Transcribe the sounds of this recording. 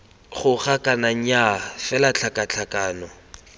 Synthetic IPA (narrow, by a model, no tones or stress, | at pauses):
χʊχakʼanaŋ̩jafɛlat͡ɬʰakʼat͡ɬʰakʼaːnɔ